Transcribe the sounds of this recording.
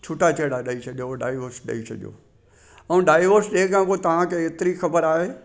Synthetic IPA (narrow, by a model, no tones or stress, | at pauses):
t͡ʃʰʊʈat͡ʃeːɽaɗəit͡ʃʰɐʄoɖa̰ːɪʋəɾsɗɐ̰isʰɐ̰ʄo̰ː | ɐũɖaːɪʋəɾsɗeːkãkot̪ɐʋ̤ãkʰeet̪ɪɾixɐbəɾaːɦeː